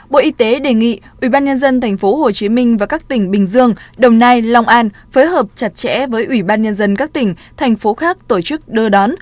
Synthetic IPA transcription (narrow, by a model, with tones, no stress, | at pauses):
ɓo̰˧˨ʔi˨˧˦t̪e˨˦ɗe˨˩ŋḭ˧˨ʔwi˧˩ɓaː˧nɲə˧nzə˧nt̪ʰa˨˩jŋ̟fo˨˦ho˨˩t͡ɕi˨˦mï˧ŋ̟vaː˨˩kaː˦˥k̚t̪ï˧˩ŋ̟ɓï˨˩ŋ̟zɨ˧əŋɗə˨˩wŋ͡mnaː˧jlwŋ͡mʔaː˧n | foː˨˦jɦəː˨˩p̚t͡ɕa˨˩t̚t͡ɕɛ̰˧˥vəː˨˦jʔwi˧˩ɓaː˧nɲə˧nzə˧nkaː˦˥k̚t̪ï˧˩ŋ̟ | t̪ʰa˨˩jŋ̟fo˨˦xaː˦˥k̚t̪o˧˩t͡ɕɨ˦˥k̚ɗɨ˧ɗɔ˨˦n